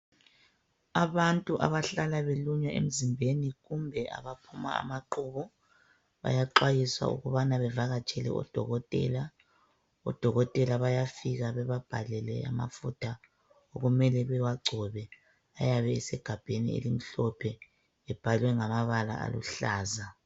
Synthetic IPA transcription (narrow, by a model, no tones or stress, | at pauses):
aβantʼuʔa̰βaɬalaβeluɲwaʔḛm̩zimbʱeniɣumbʱɛʔa̰βapʰuma̰a̰maǃuːβɔ | βa̰jaǃwajiswa̰ṵɣuβanaβɛvaɣat͡ʃʼʰɛlɛ̰ʔɔ̰d̥ʱɔ̰ɣɔtʼɛ̰la | ɔ̰d̥ʱɔɣɔtʼɛlaβajafiɣaβɛβab̥ʱalɛlɛa̰ma̰futʰa | oɣumɛlɛβɛwaɡ͡ǀʱɔβɛ | ajaβɛːsɛɡ̥ʱab̥ʱenḭḛlim̩ɬɔpʰɛ | ɛb̥ʱalwɛŋamaβala̰ʔa̰lṵɬaːza